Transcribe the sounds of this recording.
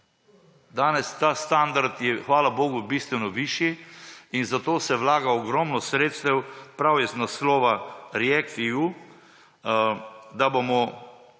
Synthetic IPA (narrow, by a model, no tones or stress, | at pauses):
d̪aːnɛst̪aːst̪and̪aɾt̪jɛxʋaːlaboːɡʊbiːst̪ʋɛnɔʋiːʃiinzat̪oːsɛʋlaːɡaɔɡɾɔmnɔsɾeːt̪st̪ɛwpɾawjɛznaslɔːʋaɾiɛkt̪iu | d̪abomɔ